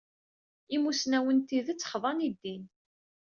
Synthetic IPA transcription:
imusnæwənt̪iðət͡sːχðˤɑnid̪ːin

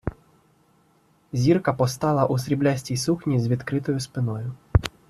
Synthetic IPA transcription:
zʲirkɐpɔst̪alˠɐʔusɾʲiblʲasʲtʲijsuxnʲizʲʋʲit̪kɾɪt̪ɔjʊspɪnɔjʊ

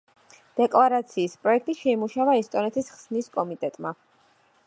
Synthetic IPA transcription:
d̪̥ɛkʼlˠaɾat̪sʰiːspʼɾɔɛk̚ʰt̪ʼiʃɛimuʃavaɛst̪ʼɔnɛt̪ʰisχsniskʼɔmit̪ʼɛt̪ʼma

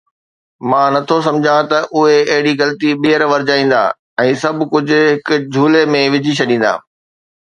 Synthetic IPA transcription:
mãːnɐt̪ʰos̬ɐ̃md͡ʑʱãt̪ɐʔʊɦeɐɦɪɽiɣɐlt̪iɓijəɾʋɐɾɪd͡ʑaːĩːn̆d̪a̰ː | ɛ̃ːsɐbʱkʊd͡ʑʱʊ̆ɦɪkʊd͡ʑʱuːlemẽʋɪd͡ʑʱit͡ɕʰɐɗĩːn̆d̪a̰ː

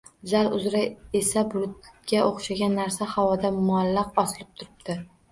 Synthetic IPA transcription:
zalʊzɾaesabʊɾʊt̪ɡʲaʔoχʃaɡʲanːaɾsahavɒd̪amʊalːɑqɒsɪlɪp̚t̪ʰʊɾɪb̚d̪̥ɪ

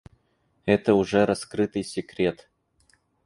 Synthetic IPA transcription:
ɛt̪əʊʐɛɾɐskɾɨt̪ɨjsʲɪkɾʲet̪

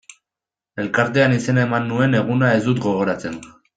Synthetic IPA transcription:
e̞lkaɾt̪eanise̞naemanːue̞ne̞ɣ̞unae̞zd̪ut̪ɡo̞ɣ̞o̞ɾat͡se̞n

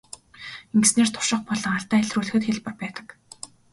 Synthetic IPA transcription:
eŋɡsneːrt̪ʰʊ̥ʃɪ̆χpɔɮɞ̆ŋaɬt̪æːæɮruːɮɘ̆xɘ̆t̪xeɮpə̆rpæːt̪ə̥̆k

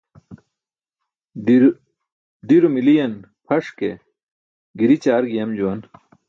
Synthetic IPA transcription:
d̪iɾumilijɐn | pʰɐʂke | ɡiɾit͡ɕaːɾɡijɐmd͡ʑuwɐn

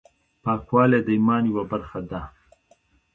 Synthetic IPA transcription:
pɑːkwɑːled̪əimɑːniwabaɾxad̪a

